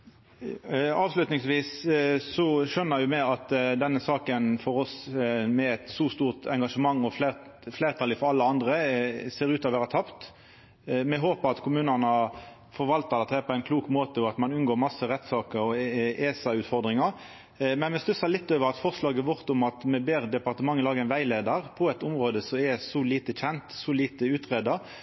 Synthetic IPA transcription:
ɑːʋslʉt̪nɪŋsʋiːsːɔʂœnːəɾjʊmɛɑt̪d̪ɛnːəsɑːkənfɔɾɔsmɛɛt̪sɔːst̪uːʁt̪ɛŋɡɑʂəmɑŋːɔffleɪɾt̪ʰɑlɪfɔɾɑlːəɑnd̪ʁəseːɾʉːt̪ɔʋæːʁɾət̪ʰɑpt̪ | mɛɦoːpəʁɑt̪kʰʊmʉːnənə | fɔɾʋɑlt̪ɑd̪ɛt̪ɛːpʰɔæɪnkʰluːkmoːt̪əɔɑt̪mɑnʉnɡoːɾmɑsəʁɛt̪ːsɑːkəɾɔeːsɑʉːt̪fɔʁd̪ʁɪŋɑʁ | mɛnmɛst̪ʉsɑlɪt̪ːøːʋəɾɑt̪fɔʁʂlɑːɡəʋɔʁt̪ʊmɑt̪mɛbeːʁd̪ɛpɑʁt̪əmɑŋːəlɑːɡəɛɪnʋæɪleːd̪əʁpʰɔɛt̪ʊmʁoːd̪əsɔɛsɔliːt̪əçɛnt̪sɔliːt̪əʉːt̪ʁeːd̪ɑ

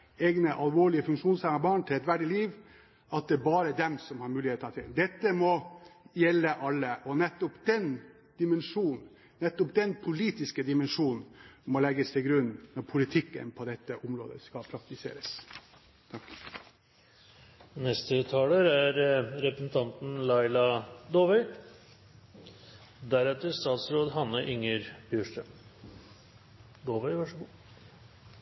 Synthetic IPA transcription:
eːɡnəʔɑlʋoːɭɪəfʉŋkʂuːnsæməbɑːɳt̪ʰɪlɛt̪ʋæɖɪliːʋ | ʔɑt̪̚d̪ɛːbɑːɾəd̪ɛmsɔmhɑɾmʉːlɪeːt̪ːɑt̪ʰɪ̰ld̪ɛt̪ːəmɔjɛlːəʔɑlːəʔɔnɛt̪ːɔpd̪̥ɛn | d̪̥ɪmɛnʂuːn | nɛt̪ːɔp̚d̪ɛnpʰʊliːt̪ɪskəd̪ɪmɛnʂuːn̩mɔlɛɡəst̪ʰɪlɡɾʉnːnɔɾpʰʊlɪt̪ʰɪkːə̰npʰɔd̪ɛt̪ːəʔʊmɾo̰ːd̪ə̰skɑpʰɾɑk̚t̪ɪsḛːɾəs | t̪ʰɑk | nɛst̪ət̪ʰɑːləɾæɾɾɛpɾəsn̩t̪ʰɑnt̪n̩lɑɪlɑd̪oːʋɛɪ | d̪æɾɛt̪əʂt̪ɑːt̪sɾoːd̪ɦɑnːəʔʏŋəɾbjøʂʈəm | d̪oːʋɛɪʋɑʂəɡuː

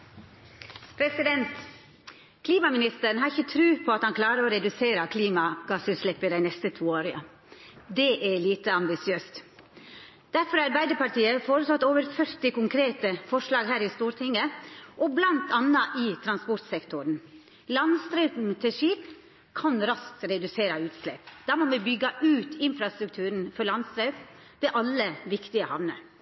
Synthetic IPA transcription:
pʰɾɛsɪd̪ɛnt̪ | kʰliːmɑmɪnɪst̪əɾn̩hɦɑɾɪçət̪ʰɾʉːpʰɔɑt̪hɑnkʰlɑːɾəoːɾɛd̪ʉseːɾɑkʰliːmɑɡ̥ɑsʉːt̪ʃlɪpːɪd̪æɪnɛst̪ət̪ʰuːoːɾɪɑ̰ | d̪ɛʔɛɭiːt̪əɑmbɪsɪøːst̪ | d̪̥æɾfɔɾɑɾbæɪd̪əpɑɾʈiːəfoːɾəsɔt̪ːoːʋəɾfœɾt̪ɪkʊŋkʰɾeːt̪əfɔʂlɑːɡhæːɾɪst̪uːɾt̪ʰɪŋːəʔɔblɑnt̪ɑnːɑʔɪt̪ʰɾɑnspɔɾt̪sɛkt̪ʊɾn̩ | lɑnst̪ɾɛʉt̪n̩t̪ʰɪʂiːp | kʰɑnɾɑsk̚t̪ɾɛd̪ʉseːɾɑʉːt̪slɛ̰pd̪̥ɑmɔmɛbʏɡːɑʔʉːt̪ʰɪnfɾɑst̪ɾʉk̚t̪ʰʉːɾn̩fɔɾlɑnst̪ɾœp | ʋɛʔɑlːəʋɪkt̪ɪəhɑʋnə̰

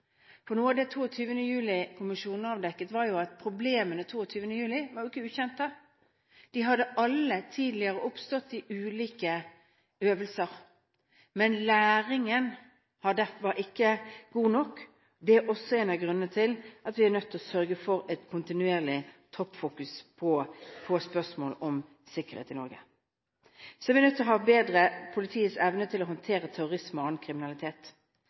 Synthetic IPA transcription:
fɔnuːɑʋd̪ɛt̪ʰuːɔt̪ʰyːʋənəjʉːlɪkʰʊmɪʂuːn̩ɑʋd̪ɛkːət̪ʋɑɾjʊɑt̪̚pʰɾʊbleːmənət̪ʰuːɔt̪ʰyːʋənəjʉːlɪʋɑjʊɪkːəʉːçɛnt̪ə | d̪̥ɪɦɑd̪əʔɑlːət̪ʰiːd̪lɪəʁəʔʊpst̪ɔt̪ːɪʔʉːliːkə | øːʋəlsəʁ | mɛnlæːɾɪŋən | hɑd̪æfʋɑɾɪkːəɡuːnɔkː | d̪ɛæʔɔsːɔeːnɑɡʁʉnːət̪ʰɪlʔɑt̪ʋɪænœt̪ʰːɔsœɾɡəfɔɾɛt̪kʰʊnt̪ɪnʉeːʁlɪt̪ʰɔpːfuːkʉspʰɔpʰɔspœʂmoːlɔm | sɪkːəʁhḛːt̪ɪnɔɾɡə̰ | sɔɛʋɪnœt̪ʰːɪlɔɦɑːbeːd̪ʁəpʰʊlɪt̪ʰiːəsɛʋnət̪ʰɪlɔhɔnt̪ʰeːɾət̪ʰæɾʊɾɪsmɔɑnkʰɾɪmɪnɑlɪt̪ʰeːt̪

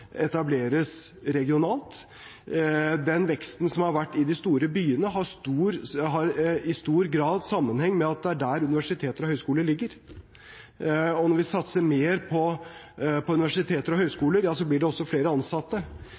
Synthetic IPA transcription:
ɛt̪ɑbleːɾəsɾɛɡɪʊnɑːlt̪ | d̪ɛnʋɛkst̪n̩sɔmhɑɾʋæʈːɪd̪ɪst̪uːɾəbyːənəɦɑɾst̪uːɾɦɑɾɪst̪uːɾɡɾɑːd̪sɑmːənhɛŋːmɛɑt̪̚d̪ɛæɖæɾʉnɪʋæʂɪt̪ʰeːt̪əɾɔhœʏskuːləɭɪɡːəɾ | ɔnɔɾʋɪsɑt̪səmeːɾpʰɔ | pʰɔʉnɪʋæʂɪt̪ʰeːt̪əɾɔɦœʏskuːləɾjɑːsɔblɪɖɛɔsːɔfleːɾəɑnsɑt̪ːə

